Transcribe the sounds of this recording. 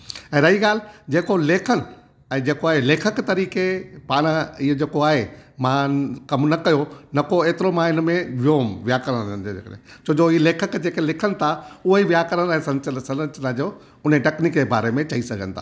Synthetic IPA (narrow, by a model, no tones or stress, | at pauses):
ɛ̃ːɾɐɦiɠaːl̤d͡ʑeːkoleːkʰənɪ̆ | ɛ̃ːd͡ʑeːkoaːɦeleːkʰəkt̪ɐɾiːkepaːɽ̃iɦd͡ʑeːkoaːɦemãkɐmnɐkɐjonɐkoeːt̪ɪɾomãɪnmẽʋjoːmʋjakɐɾəɽ̃ɐ̃nd͡ʑ̪oḛːkəɾḛ̃t͡ɕoːd͡ʑoileːkʰəkd͡ʑeːkelɪkʰənɪ̆t̪ʰaʊɦoiʋɪjakɐɾəñːsɐ̃nt͡ɕənsɐ̃ət͡ɕnad͡ʑoː | ʊneʈɛːknikd͡ʑeba̰ːɾemẽt͡ɕɐisɐɡʱə̰̃nɪ̆t̪ʰa̰ː